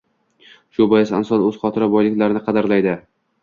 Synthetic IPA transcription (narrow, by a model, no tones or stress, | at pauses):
ʃʊbɒjɪsansɒlˠɵz̥χɒt̪ʰɪɾabɒjlɪkʲlaɾɪnɪqʰɑd̪aɾlajd̪ɪ